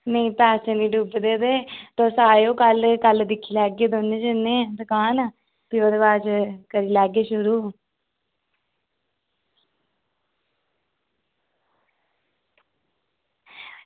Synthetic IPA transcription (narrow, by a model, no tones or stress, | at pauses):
meĩːpɛːsenĩːɖubd̪eːd̪eːt̪õːsaːjõːkəlkəld̪ɪkʰːiːlɛːɡeːd̪oːned͡ʒənẽːd̪əkãːn | pioːd̪eːbaːt͡ʃkəɾiːlɛːɡeːʃʊɾuː